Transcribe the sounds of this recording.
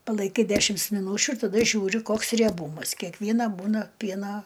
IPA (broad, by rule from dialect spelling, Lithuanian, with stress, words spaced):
pɐlˠɐɪˈkɐɪ ˈdʲæːʃʲɪms mʲɪˈnuːt͡ʃʲʊ ɪr tɐˈdɐ ˈʒʲuːrʲɪ ˈkoːks rʲiɛˈbuːmɐs kʲɛkˈʋʲiɛnɐ ˈbuːnɐ ˈpʲiɛnɐ